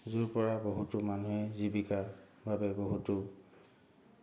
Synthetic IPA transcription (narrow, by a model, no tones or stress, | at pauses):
zuɹpɔɹaboɦutʊmanuɦɛzibika | bʱabɛboɦutʊ